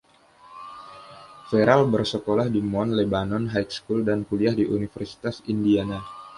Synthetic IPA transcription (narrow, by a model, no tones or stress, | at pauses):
feɾalbərsəkolahdimɔnlebanɔnɦajt̪skuldankuliahdiʔunifərsi̥t̪asindiana